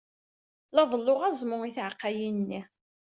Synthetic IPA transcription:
lɑðˤəlːʊʁæzˤmʊŋiθʕqːajinnːi

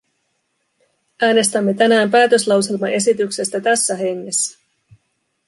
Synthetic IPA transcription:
ʔæːne̞st̪æmːe̞t̪ænæːmpæːt̪ø̞slɑwse̞lmɑʔe̞sit̪ykse̞st̪æt̪æsːæɦe̞ŋːe̞sːæ̥

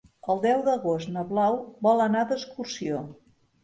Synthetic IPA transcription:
əlˠd̪ɛwðəɣost̪nəβlawbɔlˠənad̪əskursio

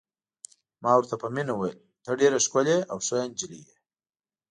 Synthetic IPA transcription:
mɑwəɾt̪apəminawajl | t̪əɖeɾaʂkoleawsojand͡ʒilije

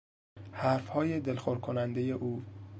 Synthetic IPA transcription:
hæɾfhɒːjed̪elxoɾkʰonænd̪ejeʔuː

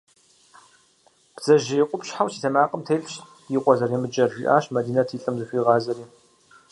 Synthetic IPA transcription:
b̥z̥ɐʒɪjɛqʷʼʊpʃħawsiːtʰɐmaːqʼəmtʰeːɬʼɕ | jiqʷʼɔzɐrimɨd͡ʒʼɐrʒḭʔa̰ːɕmɐdiːnɐtʰiːɬʼɐmzɨɕʷiːʁɑːzɐɾiː

